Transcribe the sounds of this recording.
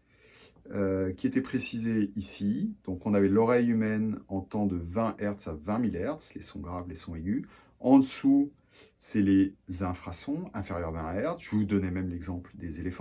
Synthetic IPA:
kʲiet̪ɛpχesizeisid̪̥ɔ̃kɔ̃navɛlɔʁɛjymɛnɑ̃t̪ɑ̃d̪əvɛ̃ʔɛʁt̪savɛ̃milɛʁd̪slesɔ̃ɡʁavlesɔ̃eɡʲy | ɑ̃d̪əsu | sɛlezɛ̃fχasɔ̃ɛ̃feʁjœʁmɛ̃ɛʁʒ̥əvud̪ɔnɛmɛmlɛɡzɑ̃pld̪ezelefɑ̃

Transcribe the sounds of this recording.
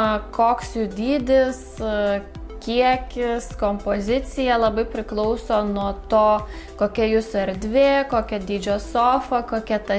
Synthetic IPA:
kʰoːksjud̪ʲiːd̪ʲɪs | kʲiɛkʲɪskoːmpoːzʲɪt̪sʲɪjɛlˠɐbɐɪpʲɾʲɪklˠɔʊsoːnuɔt̪oːkoːkʲɛjʊsʊɛɾʲd̪ʲʋʲeːkoːkʲɛd̪ʲiːd͡ʒʲoːsoːfɐkoːkʲɛt̪ɐ

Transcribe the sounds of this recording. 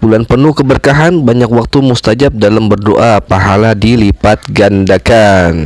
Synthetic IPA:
bulanpənuhkəbərkaɦanbaɲakwak̚t̪umust̪ad͡ʒap̚dalambərdoʔapaɦaladilipat̪̚ɡandakan

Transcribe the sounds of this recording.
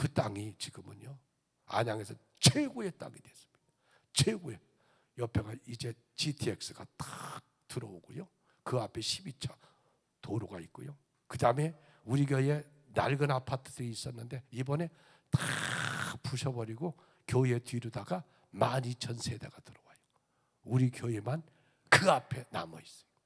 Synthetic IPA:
kɯt͈aŋit͡ɕiɡɯmɯɲo | a̰ɲaŋe̞sʰʌ | t͡ɕʰweɡue̞t͈a̰ŋidwe̞s͈ɯ̥mɲid̥a | t͡ɕʰweɡue | jʌpʰe̞ɡaid͡ʑe̞ | t͡ɕitʰiek̚s͈ɯɡat͈ḁk̚tɯɾʌoɡojo | kɯapʰe̞ɕʰibit͡ɕʰʌ | toɾoɡaik͈o̰jo | kɯdame̞ | uɾiɡjʌie̞ | na̰ɭɡɯnapʰatʰɯ̥dɯɾiːs͈ʌnːɯnde̞ibʌne̞ | ta | puɕʰʌbʌɾiɡo | kjʌie̞twiɾudaɡa | manit͡ɕʰʌnsʰe̞de̞ɡatɯɾʌwajo̥ | uɾikjʌeman | kɯapʰe̞na̰mʌis͈ɯ̥jo̥

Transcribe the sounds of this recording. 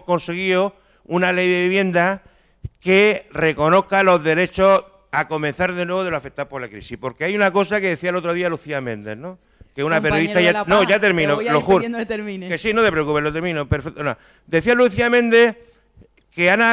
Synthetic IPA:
ko̞nse̞ɣ̞io | unale̞jðe̞βiβje̞nd̪a | ke̞re̞ko̞no̞kalo̞ɦðe̞ɾe̞t͡ʃo̞ | ako̞men̟θaɾðe̞nwe̞βo̞ð̞e̞loafe̞k̪̚t̪awpo̞ɾlakɾḭsihpo̞ɾke̞ajunako̞sake̞ðe̞θiaelo̞t̪ɾo̞ð̞ialuθiamẽ̞nd̪e̞̰no | keunapeɾjoðit̪ajanoʝat̪e̞ɾmĩnoloxuɾt̪eɾminkesinot̪e̞pɾeokupelot̪eɾmĩnopeɾfet̪ono | d̪e̞θialuθiamẽnd̪e̞h | ke̞ana

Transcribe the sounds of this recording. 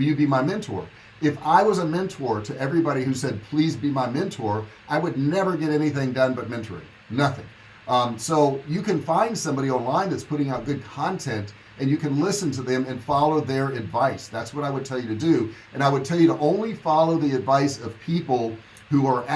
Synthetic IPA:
jɨd̚bimaɪmɛ̃ntʰɔ̰ɹ | ɪfaɪwʌzəmɛ̃ntʰɔɹɾɨʔɛvɹibɑɾihʉsɛd̚pʰl̥izbimaɪmɛ̃ntʰɔɹʔaɪwədⁿnɛvə˞ɡɛɾɛniθɪ̃ŋdʌ̃nbʌt̚mɛ̃ntʰə̰˞ɪ̰̃ | nʌθɪ̰̃ŋ | soʊjɨkɨ̃nfãɪ̃nd̥sʌ̃mbɑɾiɔ̃nlãɪ̃nðɨtspʰʊɾɪ̃ŋaʊt̚ɡ̥ʊd̚kʰɑ̃ntʰɛ̃nt | ɨ̃njɨkɨ̃nlɪsɨ̃ntɨðɨ̃mɨ̃nfɑlˠoʊðə˞ɨdvaɪsðætswʌɾaɪwəd̚tʰɛlˠjɨɾɨdɨ | ɨ̃ñaɪwɨd̚tʰɛlˠjɨɾəʔõʊ̃nlifɑlˠoʊðiɨdvaɪsʌv̥pʰipl̩ˠ | huə˞ʔ

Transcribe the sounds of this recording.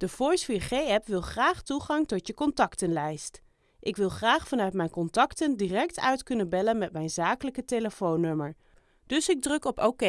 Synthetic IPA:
d̥əfɔɹsfiːɹχejɛpʋɪlˠχraːχtuχɑŋtɔtjəkɔntɑktənlɛjst | ʔɪkʋɪlˠχraːχfɑnœɥtmɛjnkɔntɑktəndirɛk̚tœɥtkɵnəbɛlənmɛtmɛjnzaːkələkəteləfownɵməɹ | d̥ɵsɪɡ̚drɵkɔpowke

